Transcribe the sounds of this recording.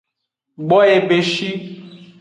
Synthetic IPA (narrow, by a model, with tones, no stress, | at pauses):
ɡ͡bɔ˦e˨be˨ʃi˦